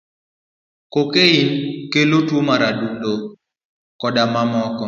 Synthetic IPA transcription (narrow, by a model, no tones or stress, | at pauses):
kokeinkelotwomaɾadundo | kɔdamamɔkɔ